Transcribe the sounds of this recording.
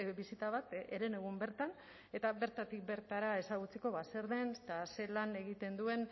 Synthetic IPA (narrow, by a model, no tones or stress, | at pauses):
bisit̪aβat̪eɾe̞ne̞ɣ̞umbe̞ɾt̪an | e̞t̪aβe̞ɾt̪at̪ik̚be̞ɾt̪aɾae̞saɣut͡seko̞βase̞ɾðe̞nst̪ase̞lane̞ɣit̪e̞nd̪ue̞n